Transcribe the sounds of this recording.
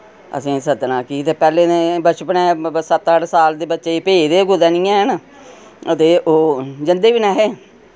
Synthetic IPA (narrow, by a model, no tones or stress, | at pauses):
ə̰sĩːsət̪nãːkiːt̪eːpɛːleːnẽːbət͡ʃpənɛ̃ːsət̪aɽsaːld̪eːbətːʃeːpeːd̪eːɡʊd̪ɛːnĩːɛ̃ːɦən | ət̪eːʔoːd͡ʒɪnd̪eːʋiːnɛːɦeː